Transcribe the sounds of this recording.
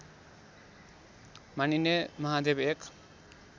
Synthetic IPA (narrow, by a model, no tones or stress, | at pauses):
maninemʌɦad̪ebek